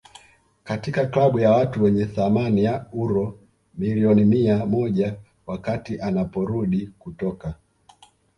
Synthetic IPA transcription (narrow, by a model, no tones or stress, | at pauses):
katikaklaɓujawatuwɛɲɛθamanijauɾɔ | miliɔnimiamɔʄa | wakatiʔanapɔɾuɗikutɔka